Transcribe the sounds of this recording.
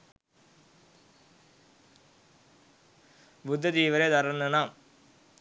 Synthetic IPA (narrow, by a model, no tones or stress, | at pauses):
bʊd̪ʱːɐt̪iːʋɐɾeːt̪ɐɾɐnɐnaːm